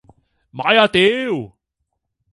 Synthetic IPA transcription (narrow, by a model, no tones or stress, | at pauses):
maajat̪ew